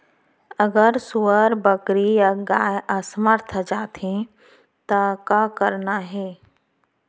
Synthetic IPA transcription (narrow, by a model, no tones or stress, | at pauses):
ɐɡəɾsuəɾbəkɾijaɡaːjəsəməɾt̪ʰd͡ʒaːt̪ẽ | t̪akakɐɾnaɦɛː